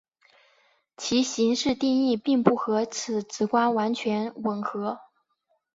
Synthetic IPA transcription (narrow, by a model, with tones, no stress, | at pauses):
t͡ɕʰi˧˥ɕi˧˥ŋʂɻ̩˥˧t̪i˥˧ŋi˥˧pi˥˧ŋpu˥˩xɤ˧˥t͡s̩ʰ˧˨˩t͡sɹ̩˧˥kwa˥nwa˧˥nt͡ɕʰɥɛ˧˥nwə˨˩nxɤ˧˥